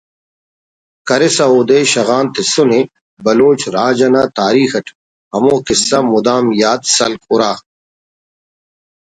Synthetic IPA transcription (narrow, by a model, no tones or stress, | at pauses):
kɐɾesɐoːd̪eːɕɐɣaːnt̪isune | bɐloːt͡ɕɾaːd͡ʑɐnaːt̪aːɾiːxɐʈʰ | hɐmoːkisɐmud̪aːmjaːt̪sɐ̰lkuɾaː